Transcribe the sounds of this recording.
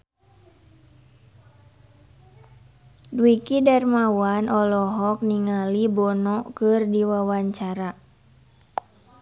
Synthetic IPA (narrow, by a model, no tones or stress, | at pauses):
duikidarmawanʔɔlɔɦɔk̚niŋalibɔnɔkɨrdiwawaɲt͡ʃaɾa